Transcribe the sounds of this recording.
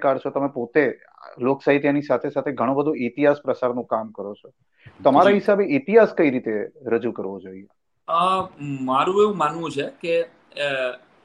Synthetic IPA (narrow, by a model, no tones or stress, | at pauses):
kaɾt͡ʃʰot̪əmẽpot̪e | loksaɦit̪̬janisat̪ʰesat̪ʰeɡʱəɽ̃õbəd̪ʱuʔit̪iɦaspɾəsaɾnũkamkəɾot͡ʃʰo | t̪əmaɾaɦisabeʔit̪iɦaskəiɾit̪eɾəd͡ʒukəɾʋod͡ʒoie | əmaɾũeʋũmanʋũt͡ʃʰeke